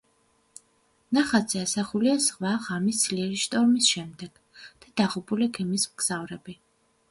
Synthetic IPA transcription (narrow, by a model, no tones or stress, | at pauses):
naχad̪zɛasaχuliasʁvaʁamisd̪zliɛɾiʃt̪ʼɔɾmisʃɛmd̪ɛɡ̥ | d̪̥ad̪aʁubuliɡɛmismɡz̥avɾɛbi